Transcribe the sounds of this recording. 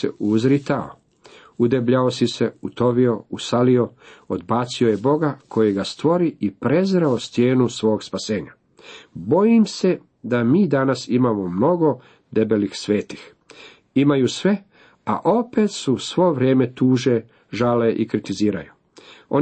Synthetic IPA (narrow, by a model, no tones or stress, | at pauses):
ḛuzɾit̪ao̰ | ud̪ebʎaosise̞ut̪o̞ʋio̞usalio̞od̪baːt̪siojebo̞ɡakʰo̞jeɡast̪ʋo̞ɾiʔipɾe̞zɾeost̪jeːnusʋo̞ːɡspase̞ːɲa | bo̞jimse̞ | d̪amiːd̪anasimamo̞mno̞ɡo̞ | d̪e̞belixsʋe̞ːt̪i̥x | imajusʋe̞ | a̰ʔo̞pe̞t̪susʋo̞ʋɾje̞ːme̞t̪uːʒe | ʒaleʔikɾit̪iziːɾa̰ju | o